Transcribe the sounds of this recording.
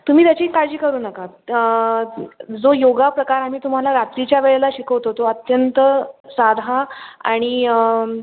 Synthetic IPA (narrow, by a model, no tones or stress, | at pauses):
t̪um̤iːt̪jat͡ɕiːkaɾd͡ʑiːkəɾuːnəka | d͡zojoɡapɾəkaɾam̤iːt̪um̤alaɾat̪ɾit͡ɕjaʋeɭelaɕikəʋt̪ot̪oət̪jənt̪əsad̪ʱaa̰ɽ̃i